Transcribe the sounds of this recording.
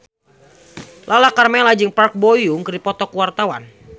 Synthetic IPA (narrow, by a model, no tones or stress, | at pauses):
lʔalahkarmɛlad͡ʒɨŋpark̚bojʊŋkɨrdipɔt̪ɔkwart̪awan